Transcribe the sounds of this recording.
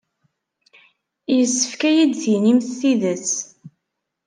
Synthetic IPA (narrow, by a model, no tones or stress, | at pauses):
jəsːə̥fkæjid̪θinimθθiðəs